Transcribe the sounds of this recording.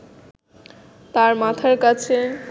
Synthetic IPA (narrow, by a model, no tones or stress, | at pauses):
t̪aɾmat̪ʰaɾkat͡sʰe